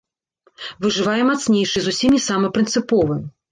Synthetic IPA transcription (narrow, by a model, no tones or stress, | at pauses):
vɨʐɨvajɛmat̪snʲejʂɨzusʲimʲisamɐpɾʲɨnt̪sɨpɔvɨ